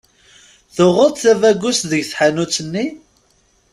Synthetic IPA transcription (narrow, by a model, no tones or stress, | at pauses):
θʊʁət̪θævæɡʷːusðəʝθħanut͡sːənːi